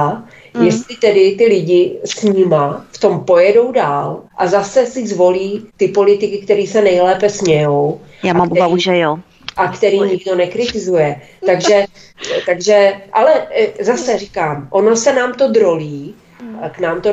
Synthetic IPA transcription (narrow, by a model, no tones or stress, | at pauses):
jɛst̪lɪt̪ɛdɪt̪ɪlɪɟɪsɲɪmaft̪o̞mpo̞jɛdo̞wdaːlʔazasɛsɪzvo̞liːt̪ɪpo̞lɪt̪ɪkɪk̚t̪ɛɾiːsɛnɛjlɛːpɛsmɲɛjo̞w | jaːamamʔubavuʒɛjo | ʔakt̪ɛɾiːɲɪɡ̚do̞nɛkɾɪt̪ɪzujɛ | t̪aɡʒʒɛt̪aɡʒɛʔalɛzasɛrɪkaːmʔo̞no̞sɛnaːmt̪o̞d̪ɾo̞liː | knaːmt̪o